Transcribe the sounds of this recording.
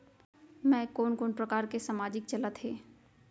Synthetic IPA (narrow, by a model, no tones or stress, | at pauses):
mɛ̃ːkoːnkoːnpɾəkaːɾkesaːmaːd͡ʒɪk̚t͡ʃɐlət̪ɦeː